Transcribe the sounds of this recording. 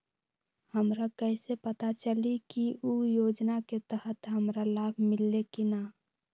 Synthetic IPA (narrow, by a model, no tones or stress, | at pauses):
həmɾakəɪsepət̪at͡ʃəlikiujoːd͡ʒnaket̪əɦət̪ɦəmɾalaːbʱmɪlːekina